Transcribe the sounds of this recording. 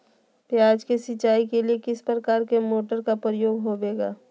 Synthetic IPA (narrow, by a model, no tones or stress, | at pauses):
pjaːd͡ʒkesɪt͡ʃaːikeliekɪspɾəkaːɾkemoːʈəɾkapɾəjoːɡɦobeːɡa̰ː